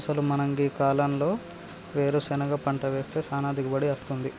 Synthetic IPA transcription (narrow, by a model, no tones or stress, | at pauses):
sɐlumɐnɐŋɡikaːlɐmlo̞ː | ʋe̞ːɾusɛnɐɡaːpɐɳʈɐʋe̞ːst̪e̞ːsaːnaːd̪ʱikɐbɐɽiɐst̪und̪i